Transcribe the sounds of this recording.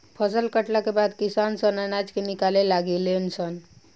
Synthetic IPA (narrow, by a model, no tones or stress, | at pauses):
pʰəsəlkəʈlakebad̪kisansənanad͡ʒkenikalelaɡelensən